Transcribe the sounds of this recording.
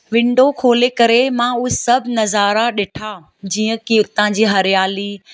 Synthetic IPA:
ʋɪ̃ɳɖʱokʰoːlekɐɾemãːʊɦesɐbʱnɐzaːɾaɗɪʈʰaː | d͡ʑiːə̃kiʊt̪ãd͡ʑiːɦɐɾɪjaːliː

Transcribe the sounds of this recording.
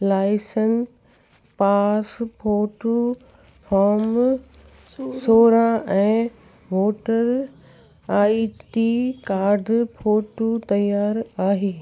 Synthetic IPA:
laːɪsən | paːspʰoːʈu | faːɾm | soːɾãʔɛ̃ː | ʋoːʈəɾ | aːiʈikaːɾɖʱpʰoːʈut̪ɐjaːɾaːɦeː

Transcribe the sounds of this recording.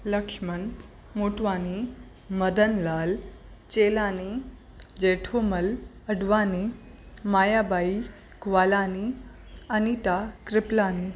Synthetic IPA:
ləkʂmən | moːʈʋaːni | məd̪ənlaːlt͡ʃeːlaːni | d͡ʒeʈʰoməl | əɖʋaːni | maːjabaːi | kʋaːlaːni | ənit̪akɾɪplaːniː

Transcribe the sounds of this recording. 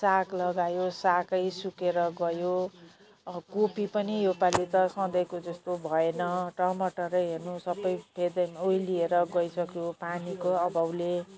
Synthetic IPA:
saklʌɡajosakʌjsukeɾʌɡʌjo | kopipʌnijopalit̪ʌsʌ̃d̪ʌjkod͡zʌst̪obʱʌenʌʈʌmʌʈʌɾʌjɦernusʌbʌjbʰʱed̪ʌjmoilieɾʌɡʌisʌkjopanikoʌbawle

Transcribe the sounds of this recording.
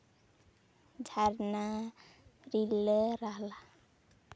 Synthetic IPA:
d͡ʒʱaɾna | ɾiləɾaɦla

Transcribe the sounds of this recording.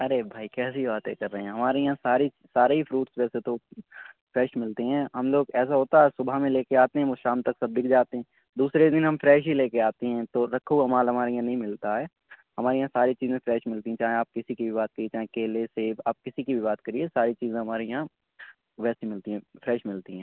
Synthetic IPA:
ɐɾebʱaːikɛːsibaːt̪ẽkɐɾːəɦɛ̃ɦɐmaːɾejãsaːɾi | saːɾeɦifɾuːʈsʋɛːset̪o | fɾɛːʃmɪlt̪eɦɛ̃ːɦɐmloːɡɛːs̬aɦoːt̪aɦɛːsʊbʱamẽleːkeaːt̪eɦɛ̃ʋoʃaːmt̪ɐksɐb̚d̪ɪk̚ʰd͡ʒaːt̪eɦɛ̃ː | d̪uːsɾed̪ɪnɦɐmfɾɛːʃ̬ɦileːkeaːt̪eɦɛ̃ːt̪oɾɐkʰuɐmaːlɦɐmaːɾejãnɐɦĩmɪlt̪aɦɛː | hɐmaːɾejɦãsaːɾit͡ʃiːzẽfɾɛːʃmɪlt̪iɦɛ̃t͡ʃaːɦẽaːp̚kɪsikibʱibaːt̪̚kɐɾiet͡ʃaːɦẽkeːleseːbaːp̚kɪsikibʱibaːt̪kɐɾiesaːɾit͡ʃiːzẽɦɐmaːɾejɦã | ʋɛːsimɪlt̪iɦɛ̃fɾɛːʃmɪlt̪iɦɛ̃ː

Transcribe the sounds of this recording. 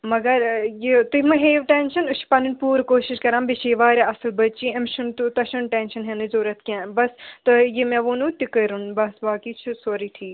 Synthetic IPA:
mɐɡɐɾjit̪ɨmɨɦeːʋʈenʃɐnuʃʰpɐnunpuːɾkoːʃiʃkɐɾãːmbiʃiːʋaːɾʲaʔɐsɨlbɐtt͡ʃĩɐmʃunt̪ut̪ɐʃunʈeːnʃɐnɦenɨzoːɾɐt̪ʰkʲãːbɐst̪ɐjimɛ̃ʋoːnũːt̪ikəɾunbɐsbaːkiːt͡ʃʰusoːɾiːʈʰiːk

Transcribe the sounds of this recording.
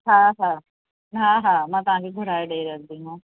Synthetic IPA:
ɦãɦãː | ɦãɦãːmãt̪ɦãkiɡʱʊɾaːjɖeːɾkd̪iɦãː

